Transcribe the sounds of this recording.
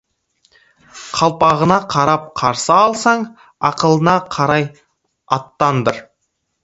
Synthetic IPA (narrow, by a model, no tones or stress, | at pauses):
qʰɑlˠpɑʁənɑqʰɑɾɑp̚qʰɑɾsɑːlˠsɑɴ | ɑqəlˠənɑqʰɑɾɑj | ɑt̪ːɑnd̪əɾ